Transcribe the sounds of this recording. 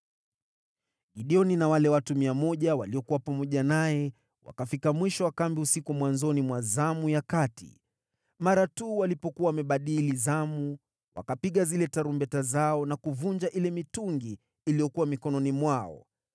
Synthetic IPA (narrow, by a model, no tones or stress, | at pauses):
ɠiɗiɔninawalɛwatumiamɔʄawaliɔkuwapamɔʄanajɛ | wa̰kafikamwiʃɔwakambiusikumwanzɔnimwazamujakatḭ | maɾatuːwalipɔkuwawamɛɓaɗilizamu | wa̰kapiɠazilɛtaɾumbɛtazaɔnakuvund͡ʒaʔilɛmituŋɡiː | liɔkuwamikɔnɔnimwaɔ̰